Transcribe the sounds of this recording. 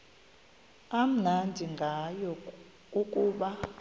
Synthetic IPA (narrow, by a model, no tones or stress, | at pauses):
am̩nandʱiŋɡʱajɔ | ukʼuːɓa